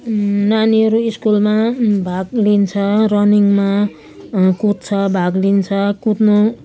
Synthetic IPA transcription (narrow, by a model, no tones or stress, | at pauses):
naniʌɾuiskulmabʱaɡlint͡sʰʌrʌniŋma | kut̪̚t͡sʰʌbʱaɡlint͡sʰʌkut̪no